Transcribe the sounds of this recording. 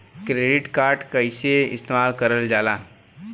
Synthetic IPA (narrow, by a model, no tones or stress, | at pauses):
kɾeːɖɪʈkaːɾʈkɐɪseɪ̰st̪eːmaːlkɐɾəld͡ʒaːlaː